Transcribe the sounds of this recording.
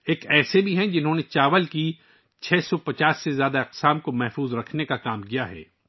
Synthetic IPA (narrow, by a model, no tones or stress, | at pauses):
eːkɛːsebʱiɦɛ̃d͡ʒɪnɦõːnet͡ʃaːʋəlki | t͡ʃʰɛːsɔpɐt͡ʃaːsːezjaːd̪aɪqsaːmkomɛɦfuːzɾɐkʰnekakaːmkijaɦɛ̰ː